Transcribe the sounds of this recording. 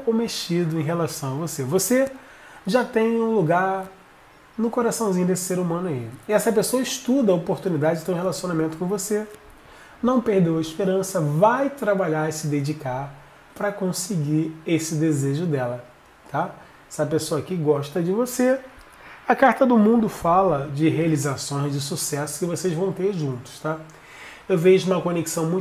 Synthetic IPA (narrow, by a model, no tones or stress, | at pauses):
komet͡ʃid̪ʊẽj̃ɦelasɐ̃w̃ɐvosevose | ʒat̪ẽj̃ũluɡaɾ | nʊkoɾasɐ̃w̃ziɲʊd̪esɪ̥seɾumɐ̃nʊaiɪɛsɐpesoɐɪʃt̪ud̪ɐopoɾt̪unid̪ad͡ʒɪt̪ẽɾ̃helasionamẽnt̪ʊkõvose | nɐ̃w̃pehd̪ewɐiʃpeɾɐ̃sɐvajt̪ɾabaʎaɾsɪd̪ed͡ʒikaɾ | pɾɐkõsɪɡiɾesɪd̪ezeʒʊd̪ɛlɐ | t̪a | sɪɐpesoɐkɪɡɔʃt̪ɐd͡ʒɪvose | ɐkaɾt̪ɐd̪ʊmũd̪ʊfalɐd͡ʒɪɦealizasõj̃zd͡ʒɪsusɛsʊ̥kɪvosezvɐ̃w̃t̪eɾʒũnt̪ʊ̥ʃt̪a | ewveʒʊũmɐkõneksɐ̃w̃mũj̃